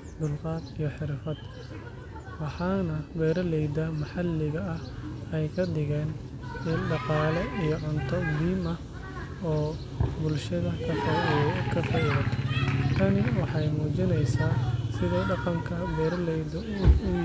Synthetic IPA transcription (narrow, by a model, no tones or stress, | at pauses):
b̪ʊlqɑːd̪ijɞħɪrfɐd̪̥ | wɑħɑːnɐbɛːɾɐlɛjd̪ɐmɐħɑlːɪɣɐɐhɛjkʰɐd̪ɪɣɛːn | ɪɖɑqɑːlɛʔijɞʕʊnt̪ʰɔmʊɦiːmɐ | ɔː | bʊlʃɐðɐkʰɐfɐkʰɐfɐɾɐt̪ʰɐt̪ʰɐnɪwɑħɑjmuːt͡ʃɪnɛjsaːsɪðɛːɖɑqɑŋkʰɐbɛːɾɐlɛjd̪ɐ | ʊ